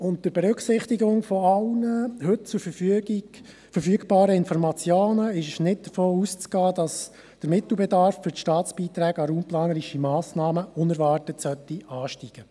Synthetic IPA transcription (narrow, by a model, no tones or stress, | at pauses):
ʊntdəɾb̥ɛɾʉksɪχtiɡʊŋfɔɑlnəhɵt̚t͡sʊɾfəfyɡi | fəɾfyəɡb̥ɑːɾəɪnfɔɾmɑt͡sjoːnəɪʃʃnɪt̚d̥əfoːust͡sɡ̥ɑːdɑs | d̥əɾmɪt̪l̩bɛdɑɾfːʏɾʃtɑːt͡sb̥iːt̪ɾæːɡɑɾuːmplɑːnəɾiʃimɑːsnɑːməʊnɛɾvɑːrtətsœtːiɑːʃtiːɡ̥ə